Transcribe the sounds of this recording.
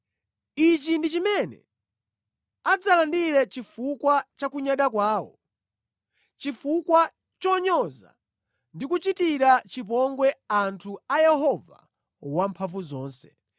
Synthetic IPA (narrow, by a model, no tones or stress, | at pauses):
it͡ʃindit͡ʃimɛnɛ̰ | ad͡zalandiɾɛt͡ʃifukwat͡ʃakuɲaɗakwaːwɔ̰ | t͡ʃifukwa | t͡ʃɔɲɔza̰ | ndikut͡ʃitiɾat͡ʃip̬ɔŋɡwɛantʰuajɛɦɔva̰ | wampʰaɱvuzɔːnsɛ̥